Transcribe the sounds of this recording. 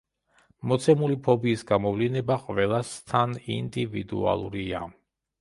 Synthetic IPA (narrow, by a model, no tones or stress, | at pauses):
mɔt̪sʰɛmulipʰɔbiːsɡamɔvlinɛbaqʼvɛlˠast̪ʰanḭnd̪ivid̪ṵa̰lˠṵɾia̰